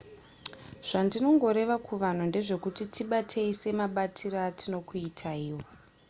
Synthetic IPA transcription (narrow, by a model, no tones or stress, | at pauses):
ʐ̥andino̞ŋɡo̞ɾe̞ʋakʰuʋan̤onde̞ʐe̞kutitiɓatʰeise̞maɓatʰiɾatʰino̞kuitʰaiwo